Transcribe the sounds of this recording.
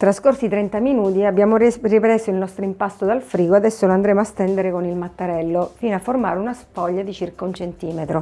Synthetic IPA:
t̪ɾaskorsit̪ɾɛnt̪aminuːt̪iabːjaːmoripɾɛsoilnɔst̪ɾoimpast̪od̪alfɾiːɡoad̪ɛsːoloand̪ɾeːmoast̪ɛnd̪eɾekonilmat̪ːaɾɛlːofiːnoafːorma̰ːɾunaspɔʎːad̪it͡ʃirkaunt͡ʃent̪iːmet̪ɾo

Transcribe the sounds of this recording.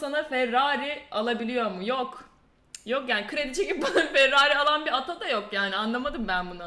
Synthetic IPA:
sanafɛɾːaːɾialˠabilʲijo̞ɾmujok | jokjaːnikʰɯɾe̞d̪it͡ʃʰe̞cip̚bananfɛɾːaːɾialˠanbiɾat̪ʰad̪ajo̞kjaːnianlˠamad̪ɯmbænbuna

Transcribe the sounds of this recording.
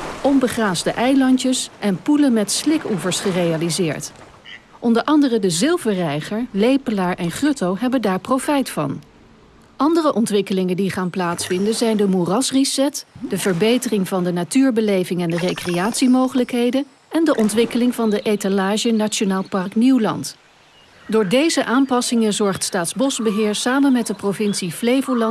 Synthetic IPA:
ʔɔmbəχraːzdəʔɛjlɑntəsʔɛnpulənmɛtslɪkuvəɹsχərejalizɪːɹt | ʔɔndəɹʔɑndərədəzɪlˠvəɹrɛjχəɹlejpəlaːɹʔɛnχrɵtowɦɛbəndaːɹprowfɛjtfɑ̰n | ʔɑndərəʔɔntʋɪkəlɪŋəndiχaːnplaːtsfɪndəzɛjndəmurɑsrisɛtdəvəɹbejtərɪŋvɑndənatyːɹbəlejvɪŋɛndərejkrejaːtsimowχələkɦejdən | ɛndəʔɔntʋɪkəlɪŋvɑndəʔejtalaːʒənat͡ʃonaːlˠpɑrkniwlɑ̰nt | dʊːɹdejzəʔaːmpɑsɪŋəzɔɹχtstaːtzbɔzbəɦɪːɹsaːmənmɛt̚dəprovɪnsiflejvulɑ

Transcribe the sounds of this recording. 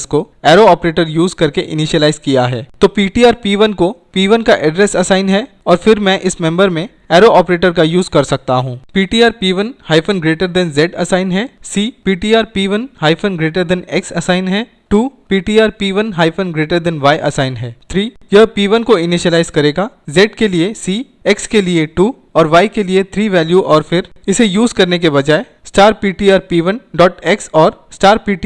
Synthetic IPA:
sko | ɛːɾoɔːpɾeːʈəɾjuːzkɐɾkeʔɪnɪʃəlaːɪzkijaɦɛːt̪oːpiːʈiːaːɾpiːʋənkopiːʋənkaʔɛɖɾɛsɐsaːɪnɦɛ | ɔːɾfɪɾmɛ̃ʔɪsmɛ̃mbəɾmẽ | ɛːɾoʔɔːpɾeːʈəɾkajuːzkɐɾsɐk̚t̪aɦũːpiːʈiːaːɾpiːʋənhaːɪfʰənɡɾeːʈəɾd̪ɛ̃ːnzɛːɖɐsaːɪnɦɛːsiːpiːʈiːaːɾpiːʋənɦaːɪfʰənɡɾeːʈəɾd̪ɛ̃nɛksɐsaːɪnɦɛː | ʈuːpiːʈiːaːɾpiːʋənɦaːɪfə̃nɡɾeːʈəɾd̪ɛ̃nʋaːjʔɐ̰saːɪnɦɛːt̪ʰɾiː | jɐɦpiːʋənkoɪniʃəlaːɪzkɐɾeːɡazɛːʈkeliesiː | ɛkskelieʈuː | ɔːɾʋaːikeliet̪ʰɾiːʋɛːljuʔɔːɾfɪɾ | ɪsejuːzkɐɾnek̬ebɐd͡ʒaːe | sʈaːɾpiːʈiaːɾpiːʋənɖɔːʈɛksɔːɾsʈaːɾpiːʈi

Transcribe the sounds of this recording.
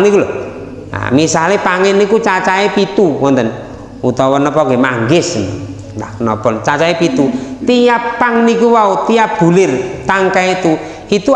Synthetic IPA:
nikulɔ | a̰misalepaŋɪnikut͡ʃat͡ʃaepit̪uwɔnt̪ən | ut̪ɔwɔnəpɔŋɡemaŋɡɪsn | nda̰knɔpɔnt͡ʃat͡ʃaepit̪ut̪ijapːaŋnikuwaut̪ijab̥ṳlɪrt̪aŋkait̪u | it̪u

